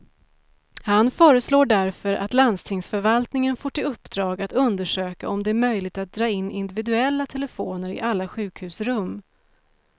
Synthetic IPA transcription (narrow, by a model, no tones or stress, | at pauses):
hanfœːɾəsloːɖæɾfœɾʔa̰t̪land̪st̪ʰɪŋsfœɾvalt̪nɪŋənfoːʈʰɪlɵpːd̪ɾɑːɡat̪ɵnd̪əʂøːkaɔmd̪ɛæɾmœjlɪɡ̚t̪at̪̚d̪ɾɑːɪnːɪnd̪ɪvɪd̪ɵɛlːat̪ʰɛlɛfoːnəɾɪ̰ʔalːaɧʉ̟ːkhʉ̟ːsɾɵmː